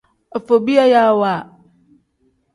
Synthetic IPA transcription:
e˨fo˨bi˦a˦ja˦˨wa˦˨

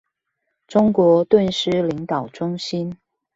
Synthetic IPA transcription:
ʈ͡ʂʊ˥ŋkwɔ˧˥t̪wə˥˧nʂɻ̩˥li˧˥ŋt̪ɑ˨˩ʊʈ͡ʂʊ˥ŋɕi˥n

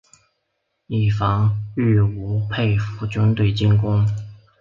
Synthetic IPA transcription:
i˨˩fɑ˧˥ŋy˥˩u˧˥pʰe˥˩ɪfu˧˥t͡ɕʊ˧˥nt̪we˨˩ɪt͡ɕi˥˧nkʊ˥ŋ

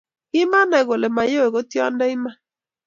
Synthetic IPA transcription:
ɪ˦ma˦na˨ɣo˨le˨ma˨jo˦e˨ɣo˦tjɔ̰˦nda˦ɪ˦ma˦

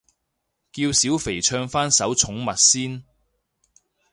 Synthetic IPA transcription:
kiː˧wsiː˨˥wfe˨˩jt͡ʃʰœː˧ŋfaː˥nsɐ˨˥wt͡sʰʊ˨˥ŋmɐ˨t̚siː˥n

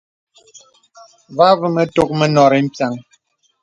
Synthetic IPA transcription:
va˦və˦mə˦to˦k̚mɛ˦nɔ˨ɾɛ˨m̩˦˨pja˨ŋ

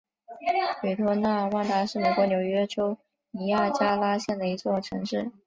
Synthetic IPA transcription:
ly˨˩t̪ʰwɔ˥na˥˧wa˥ŋt̪a˥ʂɻ̩˥˩me˨˩ɪkwɔ˧˥njo˨˩ʊɥɛ˥ʈ͡ʂo˥ʊ | ni˧˥ja˥˩t͡ɕja˥la˥ɕjɛ˥˩nd̪ə˩i˧˥t͡swɔ˥˩ʈ͡ʂʰɤ˧˥ŋʂɻ̩˥˩

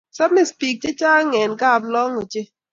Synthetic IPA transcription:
sɔ˦bmi˦˨spi˨k̚t͡ʃe˦t͡ʃa˦ŋɛ˨nka˦˨blɔ˦ŋo˨t͡ʃe˦

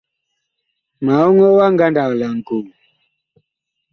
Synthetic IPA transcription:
ma˨ɔ˦ŋɔ˦wa˦ŋɡa˦nda˨la˨ŋ̩˨ku˨mu˨

